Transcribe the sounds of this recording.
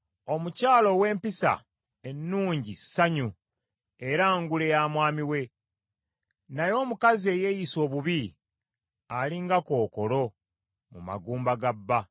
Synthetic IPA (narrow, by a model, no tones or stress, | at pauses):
o̞mucaːlo̞we̞ːmpisa̰ | e̞nːuːɲɟisaɲu | e̞ɾaŋɡule̞jaːmwaːmiwe̞ | najo̞ːmukazie̞je̞jiso̞ːβuβi | aliŋɡako̞ːko̞lo̞ | mṵma̰ɡuːmbaɡabːa